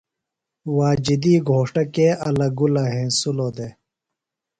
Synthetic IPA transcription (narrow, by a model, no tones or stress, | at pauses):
waːd͡ʑid̪iːɡʱoːʂʈɐkeʔɐlɐɡulɐɦẽːsuloːd̪eː